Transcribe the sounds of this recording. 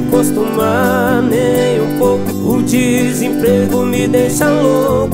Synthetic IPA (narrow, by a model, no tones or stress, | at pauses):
kost̪uma | nej̃ũpowkʊud͡ʒi | zẽpɾeɡʊmɪd̪ejʃãlok